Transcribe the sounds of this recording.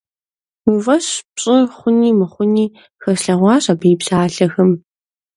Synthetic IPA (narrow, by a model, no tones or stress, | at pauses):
wivɐɕpɕʼɪχʷʊniːmɨχʷʊniː | xɐɬɐʁʷɑːɕabɨjbzaːɮɐxɐm